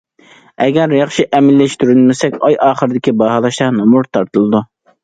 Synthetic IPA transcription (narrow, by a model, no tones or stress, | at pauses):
ɛɡʲɛɾjɑχʃiʔɛmɪlːɪʃt̪yɾylmɪsɛkʲɑjʔɑːχəɾɨd̪ɪkʲibɑɦɑlˠɑʃt̪ɑnomuɾt̪ʰɑɾt̪ɨlˠɨd̪u